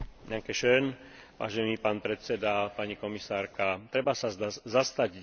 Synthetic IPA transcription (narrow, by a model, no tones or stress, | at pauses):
ɲaŋkɛʃɛn | ʋa̰ːʒɛniːpaːnpɾɛt̪sɛd̪apaɲikɔmisaːɾkat̪ɾɛbasazast̪aɟ